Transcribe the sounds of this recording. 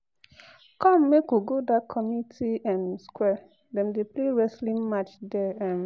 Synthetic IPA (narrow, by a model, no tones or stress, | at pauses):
kɔ̃mmekoɡodakʰɔmitʰiɛ̃nskwɛ | dɛ̃mdepleɹɛslĩnmat͡ʃdɛɛ̃m